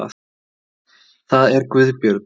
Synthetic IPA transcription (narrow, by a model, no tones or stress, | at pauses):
a̰ | θaðɛɾkvʏðpjœɾt̪